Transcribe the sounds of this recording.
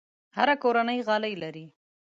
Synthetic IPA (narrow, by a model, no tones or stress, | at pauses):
haɾakoɾanəjɣɑləjlaɾi